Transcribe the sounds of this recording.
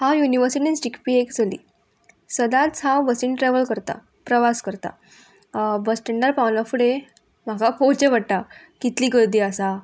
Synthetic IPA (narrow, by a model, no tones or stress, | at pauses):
hajuniʋəɾsiʈinisʈikpiːekd͡zʱəlḭː | səd̪ãt͡sabəsiːnʈɾɛʋəlkəɾt̪a̰ | pɾəʋaskəɾt̪a̰ | bəsʈeɳɖəɾpawnafuɽe | m̤akapot͡ɕeʋəɽʈ̪a | kit̪liːɡəd̪iaəsa